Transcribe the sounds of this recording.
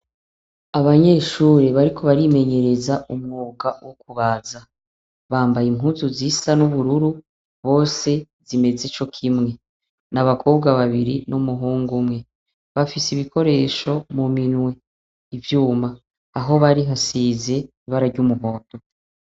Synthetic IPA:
aβaɲe̞ʃuːɾe̞βaɾikʰo̞βaɾime̞ɲe̞ɾezaumŋoːɡawokuβaːza | βaːmbajimɦuːnzuzisanuβuɾuɾu | βo̞ːse̞ | z̥ime̞zet͡ʃo̞kʰimŋe̞ | naβakʰo̞ːb̚ɡaβaβiɾinumuɦuːŋɡumŋe̞ | βafisiβikʰo̞ɾe̞ːʃo̞muminwe̞ | ivjuːmaː | ɦo̞βaɾiɦasize̞ | iβaɾaɾɟumuɦo̞ːto

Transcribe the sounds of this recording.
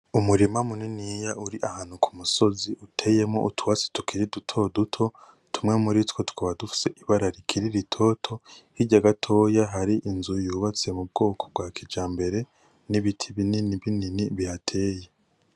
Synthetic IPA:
umuɾimamuninijaʔuɾiʔahaːn̥hukʰu̥muso̞ziʔutʰe̞je̞mŋo̞̰ʔutʰuwasi̥tukʰiɾidutʰo̞dutʰo̞ | tʰumŋe̞muɾitko̞tu̥kaβadufi̥se̞ʔiβaɾaɾikʰiɾiɾitʰo̞tʰo̞hiɟaɡatʰo̞ːjaɦaɾiʔinzujuːβat͡siemub̚ɡo̞ːkʰo̞b̚ɡwaːkʰid͡ʒaːmbe̞ɾe̞ | niβitʰiβininiβininiβihatʰe̞ːje

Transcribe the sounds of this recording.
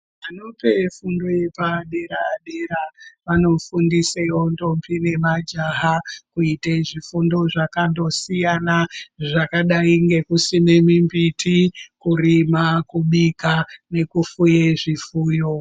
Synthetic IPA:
ano̞pe̞fundo̞je̞paːɗe̞ɾaːɗe̞ɾaʋano̞fundisewo̞ndo̞mpine̞mad͡ʒaɦakuiteʐifundo̞ʐakando̞sijanaʐakaɗaiŋɡe̞kusine̞mimbitikurimakuɓikane̞kufujeʐifuːjo

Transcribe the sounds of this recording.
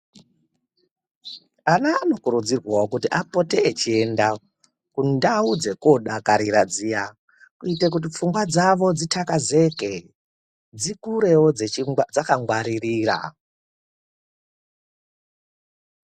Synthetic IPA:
anaːno̞kuɾud͡zirwaokutiʔapo̞teːt͡ʃie̞nda | kundaud͡ze̞ko̞ɗakaɾiɾad͡zija | kuitek̬ut̬ip͡fuŋɡwad͡zaʋo̞d͡zitʰakaze̞ke̞ | d͡zikuɾe̞wo̞d͡zed͡zakaŋɡwaɾiriːra̰

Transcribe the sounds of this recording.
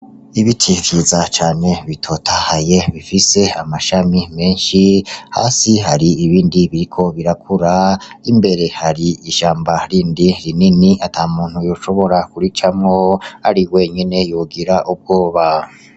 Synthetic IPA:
iβitʰikʰizat͡ʃaːne̞βitʰotʰahaje̞βifise̞amaʃamime̞ːnʃiha̰ːsiɦaɾiːβiːndiβiɾikʰo̞βiɾakʰuɾaimbe̞ɾe̞haɾiiʃaːmbaɾiːndiɾininiatʰaːmuːn̥hujoːʃo̞βo̞ɾakuɾit͡ʃamŋo̞a̰ɾiwe̞ːɲene̞joɡiɾaʔub̚ɡo̞ːβa

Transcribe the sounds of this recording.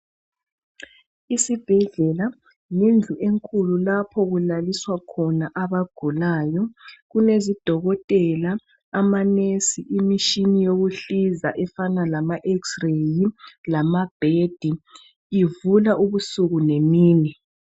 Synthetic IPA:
isib̥ʱɛɮɛla | nind͡ɮʱuʔeŋkʼʰululapʰɔɣulaliswakʰɔnaʔaβaɡ̥ʱulaːjɔɣunezid̥ʱɔɣɔtʼɛlaː | manesiʔimiʃinijoɣuɬizaʔɛfanalamaʔɛksrejilamab̥ʱed̥ʱi | ivulaʔuβusuɣunemiːni

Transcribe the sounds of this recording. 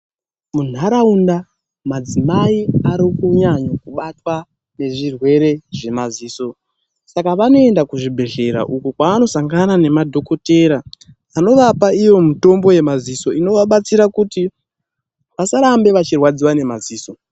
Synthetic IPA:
mun̤aɾaunda | mad͡zimaiaɾikuɲaɲakuɓatwa | ne̞ʐirwe̞ɾe̞ʐe̞maziːso̞ | sakaʋano̞e̞ndakuʐibʱe̞ɮe̞ɾa̰ʔukukwaːno̞saŋɡanane̞madʱo̞ko̞te̞ɾa | ano̞ʋapaijo̞muto̞mbo̞je̞maziso̞ino̞ʋaɓat͡siɾakuti | ʋasaɾambe̞ʋat͡ʃirwad͡ziwane̞maziːso

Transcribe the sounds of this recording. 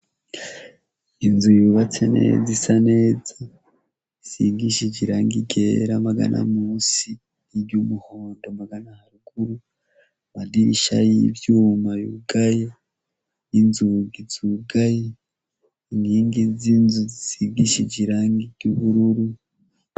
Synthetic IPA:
inzujuβat͡senḛzisane̞ːza | isiɡiʃeɟiɾaːŋɡiɡeɾamaɡa̰nʔa̰muːsi | iɟumuhoːndomaɡanahaɾuɡuɾu | madiɾiʃa̰jiɾjuːmajṵɡaje | inzuɡiz̥uɡaje | iniːŋɡizinzuzisiɡiʃeɟiɾaːŋɡiɟ̥uβuɾuɾu

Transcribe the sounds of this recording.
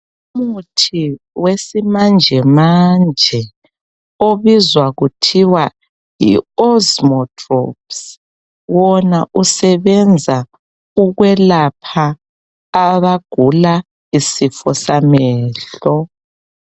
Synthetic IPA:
umutʰi | wesimand͡ʒʱɛmand͡ʒʱɛ | oβizwaɣutʰiwa | jḭɔzmɔtʰrɔ̰ps | wɔnaʔusɛβɛnd͡zʱa | uɣwɛlapʰaː | βaɡ̥ʱula | isifɔsamɛːɬɔ

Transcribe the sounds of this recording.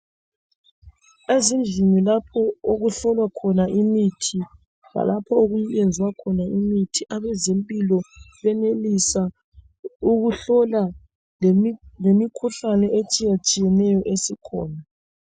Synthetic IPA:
ezind͡ɮʱimilapʰɔoɣuɬɔlwakʰɔnaʔimitʰi | la̰lapʰɔoɣujjend͡zʱiwakʰɔnaimitʰiʔaβɛzempʼilɔβɛnelisa | uɣuɬɔla | lemikʰuɬanɛet͡ʃʼijat͡ʃʼijɛnɛjɔʔesikʰɔ̰ːna

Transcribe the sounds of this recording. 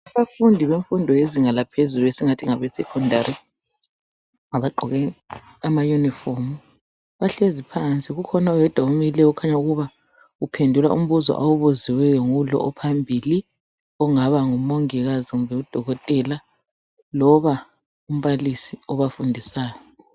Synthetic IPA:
aβafundʱiβeɱfundʱɔeziŋalapʰezuluesiŋatʰiŋaβɛsɛkʰɔndʱaɾi | ŋaβaǃʱɔɣɛ | amajunifomu | βaɬezipʰant͡sʼiɣukʰɔnawɛd̥ʱaumilɛukʰaɲauɣuβa | upʰendʱula̰ṵm̩βuzɔ̰ʔawuβuziwɛjɔŋulɔ̰ʔɔpʰambʱiːli | ɔŋaβaŋumoŋiɣaziumbʱɛud̥ʱɔɣɔtʼɛla | lɔβa | um̩βalisiɔβafundʱisaːjɔ

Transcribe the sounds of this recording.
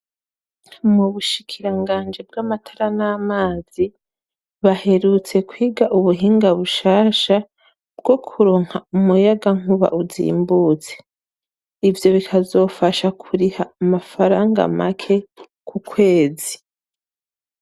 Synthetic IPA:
muβuʃikʰiɾaŋɡaːnd͡ʒeb̚ɡaːmatʰḁɾanaːmaːz̥i | βahe̞ɾut͡se̞kwiːɡaʔuβuɦiːŋɡaβuʃaːʃa | bɡo̞kʰuɾo̞ːŋ̥haumujaɡaŋ̥uβa̰ʔuzḭːmbut͡se̞̥ | ivjo̞βikʰazo̞ːfaʃakʰuɾihaːmafaɾaːŋɡa̰ma̰kʰe̞ | kʰukwe̞ːzi

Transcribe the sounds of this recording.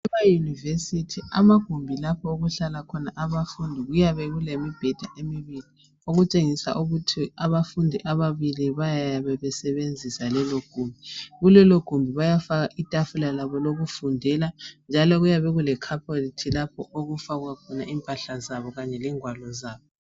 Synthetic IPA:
ɛβajunivesitʰiamaɡ̥ʱumbʱilapʰɔoɣuɬalakʰɔnaʔaβafundʱiɣujaβɛɣulemib̥ʱɛd̥ʱaʔemiβili | oɣut͡ʃʼeŋisa̰ʔuɣutʰiaβafundʱiʔaβaβiliβajajaβɛβɛsɛβend͡zʱisalɛloɡ̥ʱumbʱiɣulɛloɡ̥ʱumbʱiβajafaɣaʔitʼafulalaβɔloɣufundʱɛland͡ʒʱalɔɣujaβɛɣulɛkʰapʰolitʰilapʰɔʔoɣufaɣwakʰɔnaʔiːmpʼaɬazaβɔɣaɲɛliŋwalɔzaːβɔ

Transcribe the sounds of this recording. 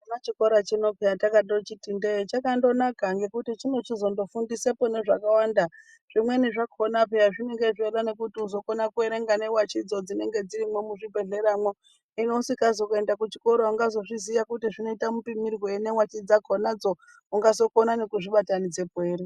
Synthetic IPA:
unat͡ʃiko̞ɾat͡ʃino̞pejatakaɗot͡ʃitindet͡ʃakando̞nakaŋɡe̞kutit͡ʃino̞t͡ʃizo̞ndo̞fundisepone̞ʐakawanda | ʐ̥imwe̞niʐakʰonapejaʐineŋɡe̞ʐeɾane̞kutiuzo̞konakueɾe̞ŋɡane̞wat͡ʃid͡zo̞d͡zine̞ŋɡe̞d͡ziɾimwe̞muʐibʱe̞ɮe̞ɾamwo | ino̞usikazokue̞ndakut͡ʃiko̞ɾoaŋɡazo̞ʐiziʋakutiʐino̞itamupimirwoenewat͡ʃid͡zakʰonad͡zo̞ | uŋɡazo̞konanekuʐiɓatanid͡ze̞bʱweːɾi

